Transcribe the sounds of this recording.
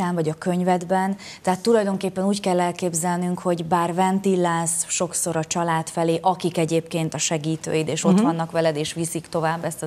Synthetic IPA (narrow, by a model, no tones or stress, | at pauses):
aːɱvɒɟɒkø̞ɲvɛd̪bɛn | t̪ɛɦaːt̪ːulɒjd̪o̞ŋkeːpːɛnuːckɛlːɛlkeːbzɛlnyŋkho̞ɟbaːrvɛnt̪ilːaːsʃo̞kso̞ɾɒt͡ʃɒlaːt̪fɛleːʔɒkikɛɟeːpkeːnt̪ɒʃɛɡiːt̪ø̰ːjid̪eːʃo̞t̪ʋɒnːɒkʋɛlɛd̪eːʃʋisikt̪o̞vaːbːɛst̪